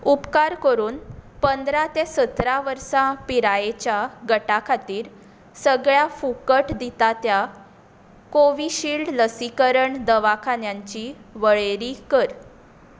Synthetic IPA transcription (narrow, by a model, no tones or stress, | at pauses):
upkaɾkəɾuːnpənd̪ɾat̪esət̪ɾaʋəɾsãpiɾajet͡ɕjaɡəʈakʰat̪iːɾ | səɡɭjafukəʈd̪it̪at̪ja | koʋiɕiːlɖləsikəɾəɳd̪əʋakʰanjaɲt͡ɕiʋəɭeɾikəɾ